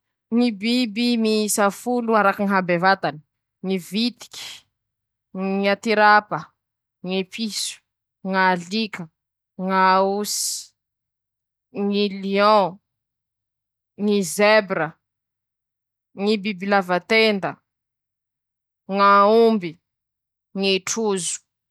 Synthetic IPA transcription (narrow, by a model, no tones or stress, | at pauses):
ŋibibimisafuluaɾakiŋɦabevat̪ani̥ | ŋivit̪i̥kʲi̥ | ŋiat̪iɾapə | ŋepʰisu̥ | ŋalikə | ŋausi̥ | ŋiliɔ̃ | ŋizebɾə | ŋibibilavat̪end̪ə | ŋaumbi | ŋeʈ͡ʂuzu̥